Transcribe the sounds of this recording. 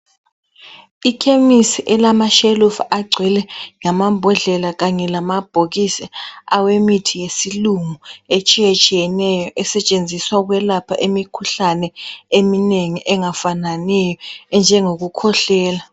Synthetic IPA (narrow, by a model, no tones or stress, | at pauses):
ikʰemisiʔɛlamaʃɛlufaɡ͡ǀʱɛlɛŋamambʱɔɮɛlaɣaɲɛlamab̥ʱoɣisiawemitʰijesiluŋuet͡ʃʼiɛt͡ʃʼijɛnɛjɔʔɛsɛt͡ʃʼend͡zʱiswauɣwɛlapʰaʔemikʰuɬanɛemineŋiʔɛŋafananɛjɔɛnd͡ʒʱɛŋoɣukʰɔɬɛːla